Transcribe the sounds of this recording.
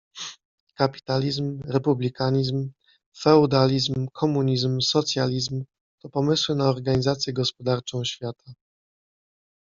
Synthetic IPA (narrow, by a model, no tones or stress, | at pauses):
kapʲi̥t̪alʲizmɾɛpublʲikaɲizm | fɛud̪alʲizmmkʰɔmuɲizmsɔt̪sʲjalʲizm | t̪ɔpɔmɘswɘnaɔɾɡaɲizat̪sʲjɛɡɔspɔd̪aɾt͡ʂɔ̃w̃ɕfʲjat̪ʰa